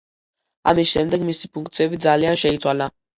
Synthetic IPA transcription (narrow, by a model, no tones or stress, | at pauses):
a̰miʃɛmd̪ɛkmisipuŋkt̪sɛvizalianʃɛit̪t͡s̪wala